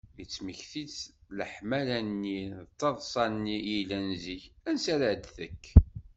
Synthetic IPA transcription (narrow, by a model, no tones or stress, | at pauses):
jət͡sːməçθit͡sləħmælænːit̪ˤːɑðˤsˤɑnːijilænziçænsæɾəʕd̪θəkː